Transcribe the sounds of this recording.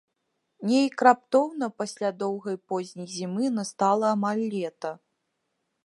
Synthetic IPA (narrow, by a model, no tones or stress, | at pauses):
nʲɛjkɾap̚t̪ɔwnɐpasʲlʲad̪ɔwɣɐjpɔzʲnʲijzʲimɨnɐst̪alˠɐːmalʲːɛt̪ɐ